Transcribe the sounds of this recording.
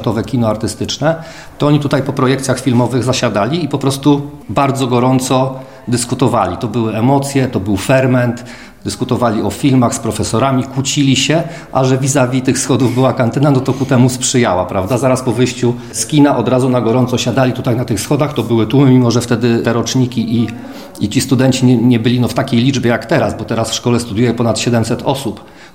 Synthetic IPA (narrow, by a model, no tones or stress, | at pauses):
t̪ɔvɛkʲinɔaɾt̪ɘst̪ɘt͡ʂnɛ | t̪ɔɔɲit̪ut̪ajpɔpɾɔjɛk̚t̪sʲaxfʲilmɔvɘɣzaɕad̪alʲiːpɔpɾɔst̪ubaɾd̪zɔɡɔɾɔnt̪sɔ | d̪ɘskut̪ɔva̰lʲit̪ɔbɘwɘɛmɔt̪sʲjɛt̪ɔbɘwfɛɾmɛnt̪ | d̪ɘskut̪ɔvalʲiɔfʲilmaxspɾɔfɛsɔɾamʲikut͡ɕilʲiɕɛ | ʔaʐɛvʲizavʲit̪ɘxfsxɔd̪uvbɘwakant̪ɘnanɔt̪ɔkut̪ɛmuspʂɘjawapɾavd̪azaɾaspɔvɘjɕt͡ɕu | skʲinaʔɔd̪ɾazunaɡɔɾɔnt̪sɔɕad̪alʲit̪ut̪ajnat̪ɘxsxɔd̪axt̪ɔbɘwɘt̪umɘmʲimɔʐɛft̪ɛd̪ɘɛɾɔt͡ʂɲikʲiʔi | it͡ɕist̪ud̪ɛnt͡ɕiɲɛɲɛbɘlʲinɔft̪akʲejlʲid͡ʐbʲjɛjakt̪ɛɾasbɔt̪ɛɾasfʂkɔlɛst̪ud̪jujɛpɔnat̪ɕɛd̪ɛmsɛt̪ʰɔsup